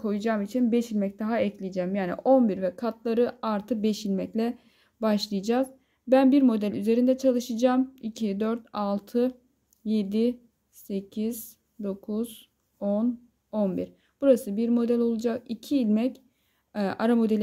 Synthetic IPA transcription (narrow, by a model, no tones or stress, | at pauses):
kʰo̞jud͡ʒaːmit͡ʃʰinbɛʃilʲmɛc̚d̪aɦaɛclʲijid͡ʒɛmjaːnḭʔo̞nbiɾvɛkʰat̪lˠaɾɯaɾt̪ʰɯbɛʃilʲmɛclʲɛ | baʃlˠɯjd͡ʒaːz | bænbiɾmo̞d̪ælʲyze̞ɾind̪ɛt͡ʃʰalˠɯʃɯd͡ʒaːmicʰid̪øɾt̪alˠt̪ʰɯ | je̞d̪i | se̞cʰiz̥ | d̪o̞kʰuz̥ | on | o̞nbḭɾ̥ | b̥uɾasɯbiɾmo̞d̪ælʲo̞lˠud͡ʒakicʰiːlʲmɛc | ɛʔaɾamo̞d̪elʲ